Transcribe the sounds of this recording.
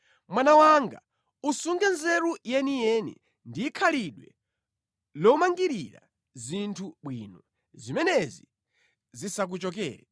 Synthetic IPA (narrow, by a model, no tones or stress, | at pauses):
mwanawaŋɡa̰ | usuŋɡɛnzɛɾujɛnijɛnḭ | ndiːkʰaliɗwɛ | lɔmaŋɡiɾiɾa̰ | zintʰuɓwinɔ | zimɛnɛzi | zisak̬ut͡ʃɔk̬ɛ̰ːɾɛ